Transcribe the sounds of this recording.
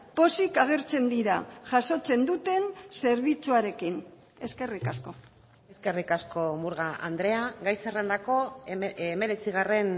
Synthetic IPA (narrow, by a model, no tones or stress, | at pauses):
po̞sikaɣ̞e̞ɾt͡se̞nd̪iɾaʝaso̞t͡se̞nd̪ut̪e̞nse̞ɾβ̞it͡suaɾe̞kin | e̞ske̞rikasko̞ | e̞ske̞rikasko̞muɾɣaʔa̰nd̪ɾe̞aɡajserend̪ako̞ | me̞ɾe̞t͡siɣ̞are̞n